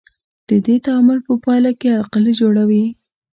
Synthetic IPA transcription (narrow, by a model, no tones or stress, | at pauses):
d̪̥əd̪et̪amʊɾpəpɑjlakealqalid͡ʒoɽawi